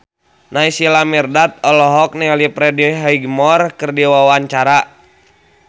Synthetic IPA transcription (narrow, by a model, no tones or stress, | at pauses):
naisilamirdat̪̚ɔlɔɦɔk̚nɛlipɾɛdiɦaiɡmɔrkɨrdiwawaɲt͡ʃaɾa